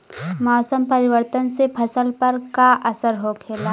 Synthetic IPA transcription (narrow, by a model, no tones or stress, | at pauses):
mɔːsəmpəɾɪʋəɾt̪ənsepʰɐsəlpɐɾkaʔɐsəɾɦokʰeːlaː